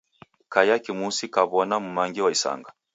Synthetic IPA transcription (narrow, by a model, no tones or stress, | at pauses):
kajakimusikaβɔnamumaŋɡiwaisa̰ŋɡa